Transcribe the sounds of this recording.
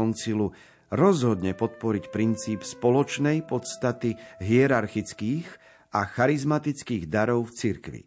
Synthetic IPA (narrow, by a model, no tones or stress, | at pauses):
ɔnt͡silu | ɾɔzɦɔd̪ɲɛpɔt̪̚pɔɾicpɾint͡siːpspɔlɔt͡ʃnɛjpɔt̪st̪at̪iɦiɛɾaɾxit͡skiːɣ | axaɾizmat̪it͡skiːɣd̪aɾɔʊft͡siɾkʋḭ